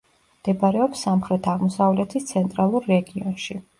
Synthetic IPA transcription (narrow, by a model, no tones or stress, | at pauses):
md̪̥ɛbaɾɛɔpsːamχɾɛt̪ʰaʁmɔsavlɛt̪ʰist̪sʰɛnt̪ʼɾalˠuɾːɛɡiɔnʃi